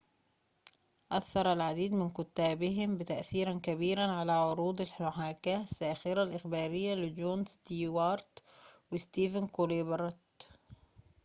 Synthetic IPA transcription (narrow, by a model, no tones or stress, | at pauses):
ʔaθːɑɾˤalʕad̪iːd̪mɪnkʊt̪ːaːbɪɦɪmbɪt̪aʔθiːɾankabiːɾanʕalaʕʊɾuːd̪alħʊħaːkaːsːaːxɪɾalʔɪxbaːɾɪjːalɪd͡ʒoːnst̪iːwɑːɾt̪wɪst̪iːvankolebɾˤt̪